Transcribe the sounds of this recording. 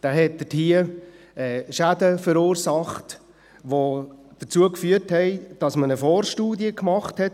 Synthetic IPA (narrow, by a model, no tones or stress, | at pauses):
d̥aːɦɛt̚d̥əthiːə | ɛʃædəfəɾuːɾsɑχt | ʋod̥ət͡suəkfyːəthɛɪd̥ɑsmənəfɔːɾʃtuːdiəkmɑχthɛt